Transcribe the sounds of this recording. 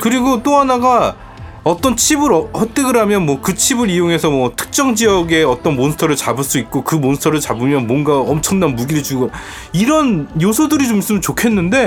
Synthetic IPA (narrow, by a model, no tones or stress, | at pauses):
kɯɾiɡot͈oɦanaɡa | ʌt͈ʌnt͡ɕʰibɯɾʌhʌt͈ɯɡɯɾɦamjʌnmwʌkɯt͡ɕʰibɯɾijoŋe̞sʰʌmwʌtʰɯ̥k̚t͡ɕ͈ʌŋd͡ʑiʌɡe̞ʌt͈ʌnmonsʰɯ̥tʰʌɾɯɭt͡ɕabɯɭs͈uit̚k͈okɯmonsʰtʰʌɾɯɭt͡ɕabɯmjʌnmwʌnɡaʌmt͡ɕʰʌŋnanmuɡiɾit͡ɕuɡʌ | iɾʌnjosʰʌdɯɾit͡ɕomis͈ɯmjʌnt͡ɕokʰe̞nːɯnde̞